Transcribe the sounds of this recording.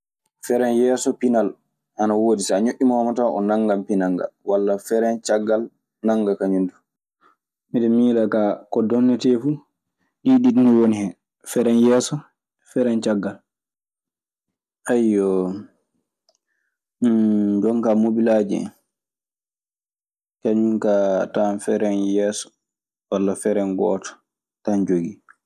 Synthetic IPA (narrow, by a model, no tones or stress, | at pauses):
fɛɾɛnjɛːsɔpinal | ʔanawoːdisaaɲoʔːimawamataʔɔ̰naŋɡampinaŋɡa̰walːafɛɾɛnt͡ʃaɡːal | naŋɡakaɲundu | miɗɛmiːlakakɔdɔnːɛtɛfu | ɗiɗidniwonihɛ | fɛɾɛnjɛːsɔ | fɛɾɛnt͡ʃaɡːal | ʔajːɔ | d͡ʒɔŋkamobilaːd͡ʒɛ̰n | kaɲuŋkatanfɛɾɛnjɛːsɔ̥ | walːafɛɾɛnɡɔ̰ːtɔ̥ | tand͡ʒoɡi